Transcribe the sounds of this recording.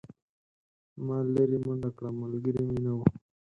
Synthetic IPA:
maːleɾiməɳɖakɽamalɡəɾiminawa

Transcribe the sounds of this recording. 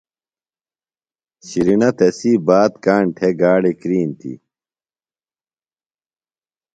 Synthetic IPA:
ɕiɾinɐt̪ɐsiːbaːt̪kaːɳʈʰeɡaːɽekɾiːnt̪ʰḭ

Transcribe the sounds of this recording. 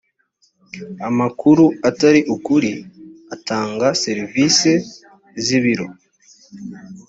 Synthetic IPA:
amakuɾuataɾiʔukuɾiataːŋɡase̞ɾivise̞ | ziβiɾo̞

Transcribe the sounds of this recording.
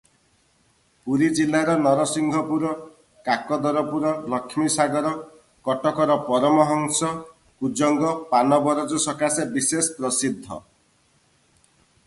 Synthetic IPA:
puɾid͡ʒilːaɾɔnɔɾɔsiŋɡʱɔpuɾɔ | kakɔd̪ɔɾɔpuɾɔlɔkʰːmisaɡɔɾɔ | kɔʈɔkɔɾɔpɔɾɔmɔɦɔŋsɔ | kud͡ʒɔŋɡɔpanɔbɔɾɔd͡ʒusɔkasebisespɾɔsid̪ʱːɔ̰

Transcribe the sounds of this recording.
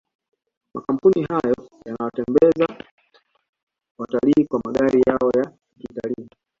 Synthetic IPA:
makam̩puniɦajɔjanawatɛmbɛza | wataliːkwamaɗaɾijaɔja | kitaliː

